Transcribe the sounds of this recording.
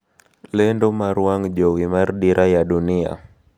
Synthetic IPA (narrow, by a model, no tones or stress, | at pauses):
lɛndomaɾuaŋd͡ʒowimardiɾʔajadunia̰